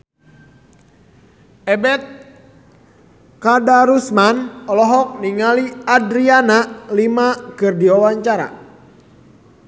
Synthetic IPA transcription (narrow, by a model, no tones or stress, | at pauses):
ɛbɛt̪̚ | kadaɾusmanɔlɔɦɔk̚niŋaliadɾianalimakɨrdiwawaɲt͡ʃaɾa̰